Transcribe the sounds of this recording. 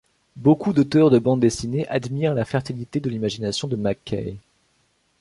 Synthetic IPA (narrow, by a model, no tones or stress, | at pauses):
bokud̪ot̪œʁd̪əbɑ̃d̪d̪esineʔad̪miʁlafɛʁt̪ilit̪ed̪əlimaʒinasjɔ̃d̪əmakɛ̰j